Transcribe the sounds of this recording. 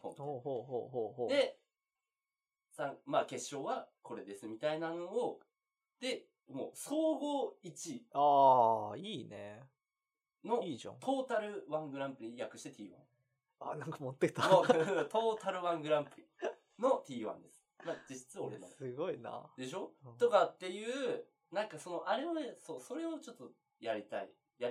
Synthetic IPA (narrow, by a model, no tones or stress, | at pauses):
hohohoɦoɦoːɦod̪e̞ | sãmaːke̞ɕːo̞ːβakʰo̞ɾe̞d̪e̞sɨmʲit̪ainanoo | d̪̥e̞ | mo̰ːso̞ːɡo̞it͡ɕiaːiːne | no̞iʑã̰t̪ʰo̞ːt̪aɾɯ̟βãŋɡɯ̟ɾãmpɯ̟ɾʲijakɯ̟ɕi̥t̪et̪ʲḭːβã̰ | anãŋkamot̪ːe̥t̪aot̪o̞ːt̪aɾɯ̟βãŋɡɯ̟ɾãmpɯ̟ɾʲi | no̞t̪ʲiːβã̰nd̪e̞sɨ̥mad͡ʑiɕi̥t͡sɨao̞ɾema̰sɨɡoina̰d̪e̞ɕo̞t̪o̞kat̪ːe̞jɯ̟ː | nãŋkaso̞no̞ʔaɾe̞βaso̞ːso̞ɾe̞o̞t͡ɕo̞t̪ːo | jaɾʲit̪a̰ḭ | jai